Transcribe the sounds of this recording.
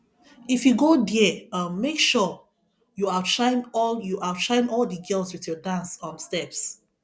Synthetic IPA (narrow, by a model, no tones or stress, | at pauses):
ifjuɡodiɛamekʃɔ | juaʃãɪ̃nɔljuʔaʃãɪ̃nɔldəɡɛlswiθjɔdãnsɔ̃nstɛps